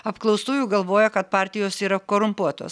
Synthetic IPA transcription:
ɐpklˠɐʊst̪uːjuːɡɐlˠʋoːjɛkɐt̪̚pɑːɾʲt̪ʲɪjoːsiːɾɐkoːɾʊmpuɔt̪o̰ːs

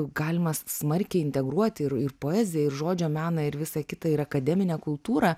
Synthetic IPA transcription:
ɡɑːlʲɪmɐssmɐrʲkʲɛɪɪnʲt̪ʲɛɡɾuɔt̪ʲɪrɪrpoːɛːzʲɪjɛɪrʒoːd͡ʒʲoːmʲæːnɐɪɾʋʲɪsɑkʲɪt̪ɐɪɾɐkɐd̪ʲɛmʲɪnʲeːkʊlˠt̪uːɾɐ

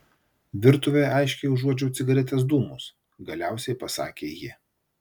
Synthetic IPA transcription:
ʋʲɪɾt̪ʊʋʲeːɑɪʃʲkʲɛʊʒuɔd͡ʒʲɛʊt̪sʲɪɡɐɾʲɛt̪ʲeːs̬d̪uːmʊs | ɡɐlʲæˑʊsʲɛɪpɐsɑ̰ːkʲeːjɪ

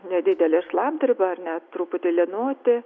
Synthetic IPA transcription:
nʲɛd̪ʲɪd̪ʲɛlʲɛʃlˠɑmt̪ʲrʲɪbɐɐrnʲɛt̪ɾuːpʊt̪ʲɪlʲɪɛnoːt̪ʲɪ

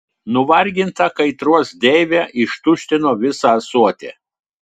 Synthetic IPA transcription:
nʊʋɐɾʲɡʲɪnt̪ɐkɐɪt̪ɾuɔsd̪ʲɛɪʋʲæʔɪʃt̪ʊʃʲt̪ʲɪnoːʋʲɪsɑːsuɔt̪ʲḛː

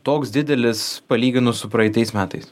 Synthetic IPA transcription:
t̪oːksd̪ʲɪd̪ʲɛlʲɪspɐlʲiːɡʲɪnʊsʊpɾɐɪt̪ʲɐɪsmʲæːt̪ɐɪs

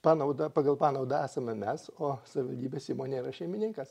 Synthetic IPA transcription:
pɑːnɐʊd̪ɐpɑːɡɐlˠpɑːnɐʊd̪ɐæːsɐmʲɛmʲɛsoːsɐʋʲɪʋɐlʲd̪ʲiːbʲeːsʲiːmoːnʲeːiɾɐʃʲɛɪmʲɪnʲɪŋkɐs

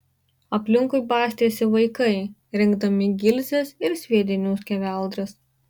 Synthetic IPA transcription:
ɐpʲlʲɪŋkʊɪbɑːsʲt̪ʲeːsʲɪʋɐɪkɐɪɾʲɪŋɡd̪ɐmʲɪɡʲɪlʲzʲesɪɾsʲʋʲiɛd̪ʲɪnʲuːskʲɛʋʲæˑlˠd̪ɾɐs

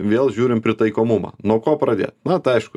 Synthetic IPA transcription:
ʋʲeːlˠʒʲuːɾʲɪmpʲɾʲɪt̪ɐɪkoːmumɐ̰nuɔkoːpɾɐd̪ʲḛːt̪nɐt̪ɐɪɐɪʃkʊ

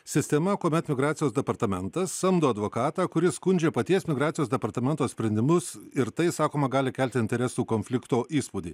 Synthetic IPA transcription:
sʲɪsʲt̪ʲɛmɐkoːmʲɛt̪mʲɪɡɾɑːt̪sʲɪjoːsd̪ʲɛpɐɾt̪ɐmʲɛnt̪ɐssɐmd̪oːɐd̪ʋoːkɑːt̪ɑːkʊɾʲɪskʊnʲd͡ʒʲeːpɐt̪ʲiɛsmʲɪɡɾɑːt̪sʲɪjoːsd̪ʲɛpɐɾt̪ɐmʲɛnt̪oːsʲpʲɾʲɛnʲd̪ʲɪmʊsɪɾt̪ɐɪsɑːkoːmɐɡɑːlʲɪkʲɛlʲt̪ʲɪnʲt̪ʲɛɾʲɛsuːkoːnʲfʲlʲɪkt̪oːʔiːspuːd̪ʲiː

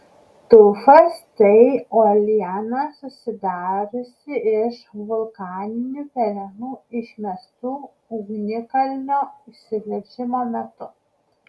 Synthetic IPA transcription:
t̪ʊːfɐst̪ɐɪoːlʲɪjɛnɐsʊsʲɪd̪ɑːɾʲʊsʲɪʔɪʃʋʊlˠkɑːnʲɪnʲupʲɛlʲɛnuːɪʃʲmʲɛst̪uː | ɡnʲɪkɐlʲnʲoːʊʃʲsʲɪʋʲlʲɛɾʲʒʲɪmoːmʲɛt̪ʊ

